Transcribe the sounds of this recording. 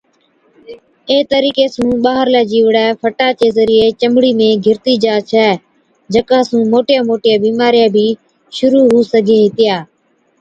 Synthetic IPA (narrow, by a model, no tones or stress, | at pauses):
eːt̪əɾiːkeːsũːɓaːɦəɾlɛːd͡ʒiːʋɽɛːfʰəʈaːt͡ʃeːzəɾɪːeːt͡ʃəmɽiːmẽːɡʱɪɾt̪iːd͡ʒaːt͡ʃʰɛː | d͡ʒəkãːsũːmoːʈɪjaːmoːʈɪjaːbiːmaːɾɪjaːbʱiː | ʃʊɾuːɦuːsəɡʱeːɦɪt̪ɪjaː